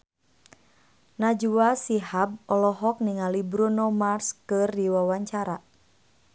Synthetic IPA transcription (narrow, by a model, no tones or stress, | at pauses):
nad͡ʒuwasiɦab̚ɔlɔɦɔk̚niŋalibɾunɔmarskɨrdiwawaɲt͡ʃaɾa